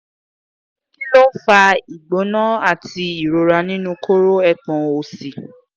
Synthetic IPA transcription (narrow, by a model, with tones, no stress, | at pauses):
ki˦lo˦fa˧i˨ɡ͡bo˨˦nã˦a˦˨ti˧i˨ɾo˨ɾa˧nĩ˦nũ˦ko˦ɾo˦ɛ˧k͡pɔ̃˨o˨si˨